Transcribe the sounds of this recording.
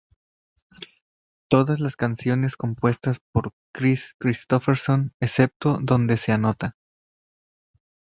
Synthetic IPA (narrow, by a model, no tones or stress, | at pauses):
t̪o̞ðazlaskansjo̞nesko̞mpwe̞st̪aspo̞ɾ | kɾiskɾist̪o̞feɾso̞nese̞p̚t̪o̞ðo̞nd̪e̞se̞ano̞t̪a